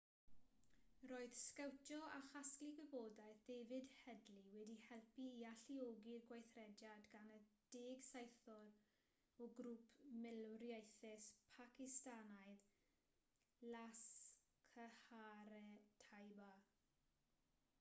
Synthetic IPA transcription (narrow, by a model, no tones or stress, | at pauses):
roːɨð̥skawtʰjɔaχaskliɡəboːdajθdɛvɨdhɛdliwɛdihɛlˠpiːaɬioːɡirɡwajθrɛdjadɡanəd̥ɪːɡsajθɔɾ | ɔɡɾuːpʰmɪlrjajθɛspʰakɪstanaɨð | las | kʰəhaɾɛtʰajba